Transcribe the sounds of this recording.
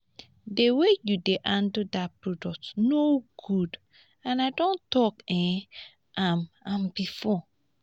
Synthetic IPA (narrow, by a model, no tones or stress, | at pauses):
dewejudeʔãndudapɹodɔk̚tnoɡ̥ud | ãnaɪdõntɔkɛ̃ | ʔamãmbifɔ